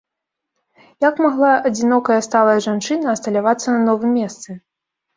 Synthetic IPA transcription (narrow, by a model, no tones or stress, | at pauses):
jakmaɣlˠaʔɐd͡zʲinɔkɐjɐst̪alˠɐjɐʐant͡ʂɨnɐːst̪ɐlʲavat̪sːɐnɐnɔvɨmʲːɛst̪sɨ